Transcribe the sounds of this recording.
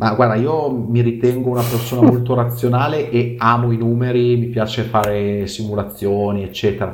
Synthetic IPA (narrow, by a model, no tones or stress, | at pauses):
maɡward̪aiːomiɾit̪ɛŋɡounapersoːnamolt̪oɾat̪sːjonaːleʔeaːmoinuːmeɾimipjaːt͡ʃefaːɾesimulat̪sːjoːniet͡ʃːɛːt̪eɾa